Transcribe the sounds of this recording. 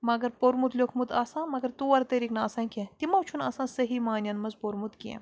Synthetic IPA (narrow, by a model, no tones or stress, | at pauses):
mɐɡɐɾpoɾmut̪lʲokʰmut̪aːsãːmɐɡɐɾt̪uːɐɾt̪ɐɾiknaːsãːkʲẽt̪imɐwt͡ʃʰunɐ̰ːsãːsɐɦiːmaːnʲjɐnmɐzpoɾmut̪kʲiḛ̃